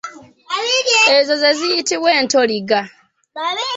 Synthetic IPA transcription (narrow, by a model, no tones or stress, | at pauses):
ezozeziːtiweːntoliɡa